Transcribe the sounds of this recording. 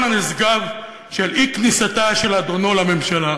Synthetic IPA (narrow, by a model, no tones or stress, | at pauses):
nanizɡav | ʃeliknisat̪aʃe̞lad̪o̞no̞lame̞mʃala